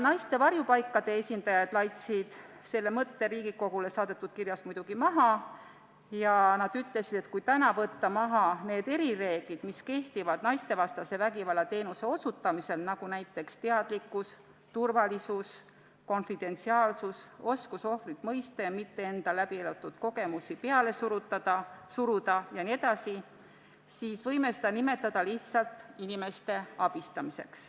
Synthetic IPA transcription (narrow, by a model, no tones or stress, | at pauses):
nɑjst̪e̞vɑrjupɑjkːˑɑd̪e̞esʲind̪̥ɑjɑd̪̥lɑjt̪sid̪̥se̞lːe̞mɤt̪ːe̞ɾiːɡiko̞ɡ̥ule̞sɑːd̪e̞t̪ːud̪̥̚kirjɑsmujd̪̥uɡ̥imɑɦɑ | jɑnɑd̪̥yt̪ˑle̞sid̪̥e̞t̪̚kujt̪ænɑvɤt̪ːɑmɑɦɑne̞ːd̪e̞ɾire̞ːɡ̥lid̪̥miske̞ht̪ivɑd̪̥nɑjst̪e̞vɑst̪ɑse̞væɡivɑlːɑt̪e̞ːnuse̞o̞sut̪ːˑɑmise̞lnɑɡ̥unæjt̪ːˑe̞kst̪e̞ɑd̪̥likːˑus | t̪urvɑlisus | ko̞nfid̪e̞nt̪siɑːlsuso̞skuso̞frit̪mɤ̞jst̪emit̪ːe̞e̞nd̪̥ɑlæb̥ielot̪ːˑut̪ko̞ɡe̞musipe̞ɑle̞suɾut̪ːɑd̪ɑsuɾud̪̥ɑjɑnie̞d̪ɑsi | siːsvɤjme̞sed̪̥ɑnime̞t̪ːˑɑd̪̥ɑliht̪sɑlt̪inime̞st̪e̞ɑb̥ist̪ɑmise̞̰ks